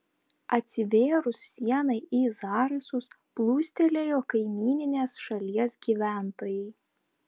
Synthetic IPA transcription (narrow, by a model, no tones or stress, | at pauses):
ɐt̪ʲsʲɪʋʲeːɾʊsːʲiɛnɐɪʔiːzɑːɾɐsʊs | plˠuːsʲt̪ʲelʲejoːkɐɪmʲiːnʲɪnʲeːsʃɐlʲiɛsɡʲiːʋʲæˑnt̪oːjɛɪ